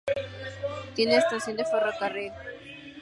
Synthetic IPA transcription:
t̪jeneːst̪ansjond̪eferakareɣa

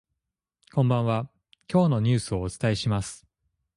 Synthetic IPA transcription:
kõ̞mbãɰ̃βa | kʲo̞ːno̞ɲ̟ɨːsɨo̞ːt͡sɨ̥t̪aiɕimasɨ̥

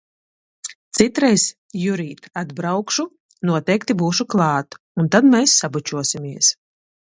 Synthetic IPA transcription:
t̪sit̪ɾɛjs | juɾiːt̪ad̪bɾawkʃu | nuɔt̪ɛjkt̪ibuːʃuklˠɑːt̪ | unt̪ad̪mʲɛːsːabut͡ʃuɔsimʲiɛs

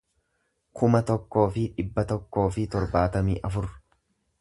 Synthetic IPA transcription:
kʊmɐt̪ɔkːo̞ːfɪᶑɪbːɐt̪ɔkːo̞ːfɪt̪ɔɾbaːt̪ɐmiːʔɐfʊɾ

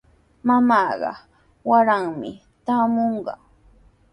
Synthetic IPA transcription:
mamɑːɢɑ̰ | waɾaŋmɪ | t̪aːmoɴɢɑ̰

